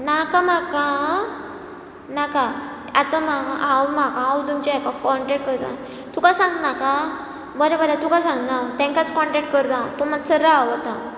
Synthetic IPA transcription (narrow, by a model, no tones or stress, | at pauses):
nakamakã | naka | at̪amaɡʔawmakãawt̪umt͡ɕaakakɔɳʈɛk̚ʈ̚kəɾt̪ã̰ | t̪ukasãŋɡnaka | bəɾebalat̪ukasãŋɡnawt̪ɛ̃ŋkat͡skɔɳʈɛk̚ʈ̚kəɾt̪ãt̪um̤asəɾɾawat̪ã